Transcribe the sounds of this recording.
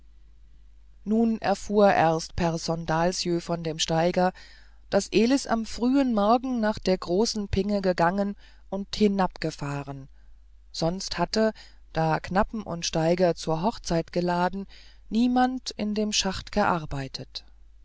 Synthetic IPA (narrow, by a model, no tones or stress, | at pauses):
nuːnʔɛ̰ɐfuːɐʔɛɐst̚pʰɛʁzɔndaːlsjøːfɔndeːmʃtaɪɡɐ | d̥asʔeːlɪsa̰mfʁ̥yːənmɔɐɡŋ̩naːχd̥eːɐɡʁoːsn̩pʰɪŋəɡəɡaŋən | ʔʊnthɪnapɡ̥əfaːʁən | z̥ɔnsthatə | d̥aːknapm̩ʔʊ̰ntʃtaɪɡɐt͡suːɐɦɔχt͡saɪtɡ̥əlaːdn̩ | niːmantɪndeːmʃaχtɡ̥əʔaɐbaɪtʰət